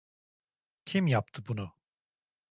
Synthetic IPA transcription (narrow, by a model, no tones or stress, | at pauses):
cʰimjap̚t̪ʰɯbunu